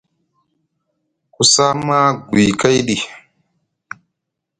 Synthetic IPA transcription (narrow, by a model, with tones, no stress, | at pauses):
ku˨sa˦ma˦ɡwi˨ka˦jɗi˨